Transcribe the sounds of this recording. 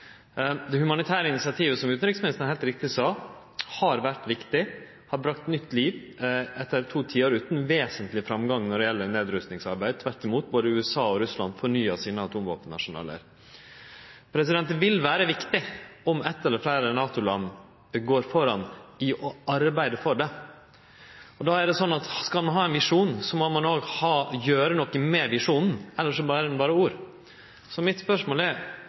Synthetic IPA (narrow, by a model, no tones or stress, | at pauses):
d̪ɛhʉmɑnɪt̪ʰæːɾəɪnɪsɪɑt̪ʰiːʋəsɔmʉːt̪n̩ɾɪksmɪnɪsnəhæɪlt̪ɾɪk̚t̪ɪsɑː | hɑɾʋæʈʋɪkt̪ɪ | hɑɾbɾɑkt̪nʏt̪ʰːliːʋ | ɛt̪ːəɾt̪ʰuːt̪ʰiːəɾʉːt̪n̩ʋeːsənt̪lɪfɾɑmɡɑŋnɔɖɛjɛlːəɾneːd̪ɾʉst̪nɪŋsɑɾbæɪd̪̚t̪ʰʋæʈːɪmuːt̪̚boːd̪əʉːɛsɑːɔɾʉslɑnd̪fɔɳyːɑsiːnəɑt̪ʰuːmʋo̰ːpənnɑ̰ʂʊnɑ̰ːlə̰ɾ | pʰɾɛsɪd̪ɛnt̪ənʋɪlʋæːɾəʋɪkt̪ɪɔmɛt̪ːɛlːəɾflæɪɾənɑːt̪ʊlɑnː | ɡoːɾfɔɾɑnɪʔɔɑɾbæɪd̪əfɔɖɛ | ɔd̪ɑːæɖɛsɔnːɑt̪skɑlmɑnɦɑːɛnʋɪʂuːnsɔmomɑnoːɡhɑːjøːɾənɔkːəmɛʋɪʂuːnn̩ɛlːəɾʂ̬ɔbɑːɾəɛnbɑːɾəuːɾ | sɔmɪt̪spœʂmoːlæɾ